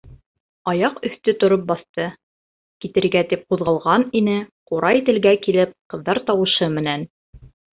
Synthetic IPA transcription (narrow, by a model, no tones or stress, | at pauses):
ɑjɑqɵ̆θt̪ɵt̪ŏɾop̬̚bɑθt̪ɤ | kit̪ɘ̆ɾɡæt̪ip̚quðʁɑlˠʁɑninɘquɾʔɑjt̪ɘ̆lɡækilɘp̚qɤ̆ðːɑɾt̪ɑwɤ̆ʃɤmɘ̆næn